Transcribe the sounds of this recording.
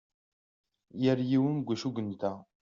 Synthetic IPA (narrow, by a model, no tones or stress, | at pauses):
jəɾjiwənɡʷuʃuɡənt̪æ